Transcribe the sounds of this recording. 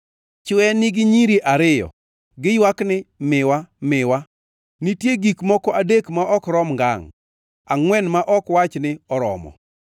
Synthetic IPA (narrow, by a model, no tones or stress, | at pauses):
t͡ʃɛnɪɡɪɲiɾiʔaɾɪjɔ̰ | ɡɪjwaknɪmɪwamɪwa | nitjeɡikmɔkɔʔadekmaʔɔkɾɔmŋɡa̰ŋ | aŋwɛnmaʔɔkwat͡ʃnɪɔɾɔ̰mɔ̰